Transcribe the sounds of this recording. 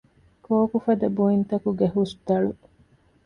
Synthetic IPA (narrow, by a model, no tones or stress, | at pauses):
koːkufɐd̪ɐbuint̪ɐkuɡeɦusd̪ɐɭu